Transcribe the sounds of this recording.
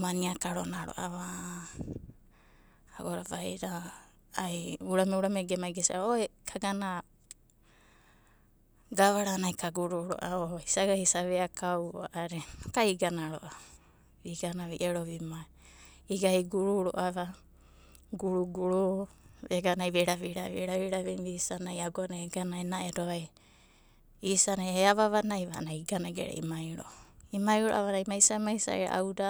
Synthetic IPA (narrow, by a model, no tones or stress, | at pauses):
maniakaɾonaɾo̰ʔaβa | ɡoɾaβajɾaː | juɾameuɾameɡemajɡesiʔaoekʰaɡana | ɡaβaɾanajkaɡuɾuɾo̰ʔaohisaɡahisaβeakawa̰ʔaɾeokaiɡanaɾo̰ʔa | βiɡanaβiʔeɾoβima | iɡahiɡuɾuɾoʔaβa | ɡuɾuɡuɾuβeɡanajβeɾaβiɾaβiɾaβiɾaβimbisanajaɡoanaeɡanaenaedoβaj | isanaeaβaβanajβanajɡanaɡḛɾḛḭmajɾo̰imajɾoʔaβaɾajmajsamajsa̰ʔeɾa̰ʔa̰wda